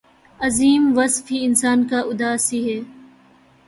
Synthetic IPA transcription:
ɐziːmʋɐsfiɪnsaːnkaʔʊd̪aːsiɦɛː

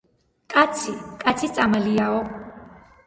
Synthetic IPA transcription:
kʼat̪sʰikʼat̪sʰit̪sʼamaliaɔ

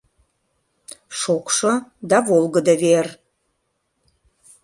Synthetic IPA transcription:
ʃokʃɤd̪ɑvolˠɡəd̪ə̆ver

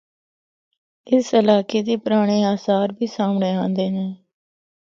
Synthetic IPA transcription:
ɪsəlaːkeːd̪iːpʊɾaːɽ̃eːaːsaːɾbʱiːsaːmɳeːãːnd̪eːnɛː

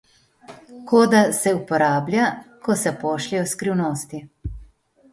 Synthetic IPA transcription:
koːd̪asɛupɔɾaːblʲjakɔsɛpɔːʃliɔskɾiwnoːst̪i

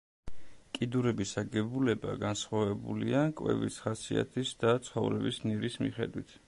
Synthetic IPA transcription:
kʼid̪uɾɛbisaɡɛbulɛba̰ɡansχwavɛbuliakʼwɛ̰vḭsχasia̰t̪ʰisd̪at̪sʰχɔvɾɛbisniɾismḭχɛd̪wit̪ʰ

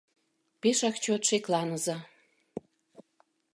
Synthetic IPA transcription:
peʃɑkt͡ɕot̪ʃeklɑnɤ̆zɑ

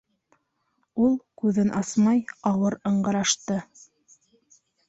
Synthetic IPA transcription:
ulˠkʉðɘnʔɑsmɑjɑwɤɾɤ̆ɴɢɤ̆ɾɑʃt̪ɤ

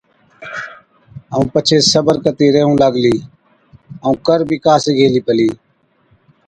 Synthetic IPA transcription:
əũːpət͡ʃʰeːsəbəɾkət̪iːɾeːɦũːləɡliː | əũːkəɾbʱiːkaːseːɡʱeːliːpəliː

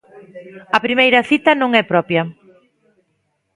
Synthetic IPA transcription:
ɐpɾimejɾɐθit̪ɐnõŋɛpɾɔpjɐ

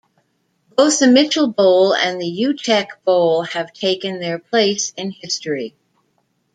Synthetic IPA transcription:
b̥oʊθðɨmɪt͡ʃl̩ˠboʊlˠɨ̰̃nðɨjʉtʰɛkb̥oʊlˠɨv̥tʰeɪkɨ̃nðə˞pʰl̥eɪsɪ̃nhɪstɹ̥i

